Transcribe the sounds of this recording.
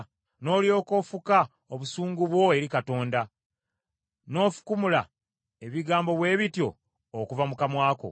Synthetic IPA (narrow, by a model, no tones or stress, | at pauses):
no̞ːlijo̞ːko̞fuka | oβusuːŋɡuβwo̞e̞ɾikato̞ːnda | no̞ːfu̥kumula̰ | e̞βiɡaːmbo̞βwe̞ːβitjo̞̰ː | kuvamukamwaːko̞̰